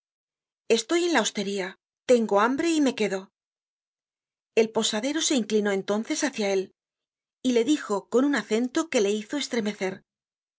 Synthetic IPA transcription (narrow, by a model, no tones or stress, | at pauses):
e̞st̪o̞je̞nlao̞st̪e̞ɾia | t̪e̞ŋɡo̞ambɾe̞ime̞ke̞ðo̞ | e̞lpo̞saðe̞ɾo̞se̞iŋklino̞e̞nt̪o̞nθe̞saθjae̞l | ile̞ðixo̞ko̞nunaθe̞nt̪o̞ke̞le̞iθo̞e̞st̪ɾe̞me̞θe̞ɾ